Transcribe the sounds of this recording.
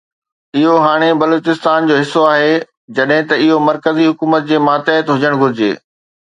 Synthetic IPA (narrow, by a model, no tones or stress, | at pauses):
ɪɦoɦaːɽ̃ebɐloːt͡ɕɪst̪aːnd͡ʑoːɦɪsːoaːɦe | d͡ʑɐɗɦɪ̃t̪ɐɪɦomɐɾkəziɦʊkuːmət̪̚d͡ʑeːmaːt̪əːt̪ɦʊd͡ʑəɽ̃ɡʱʊɾɪd͡ʑḛː